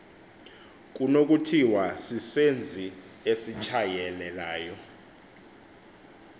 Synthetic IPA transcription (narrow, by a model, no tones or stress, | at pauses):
k̬ʼunok̬ʼutʰiwasisend͡zʱi | esit͡ʃʰajɛlɛlaːjɔ